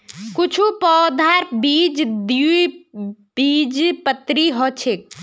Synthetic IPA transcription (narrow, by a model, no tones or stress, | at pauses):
kut͡ʃʰupɔːd̪ʱaɾbid͡ʒd̪u | b̥id͡ʒpət̪ɾiɦɔt͡ʃʰek̚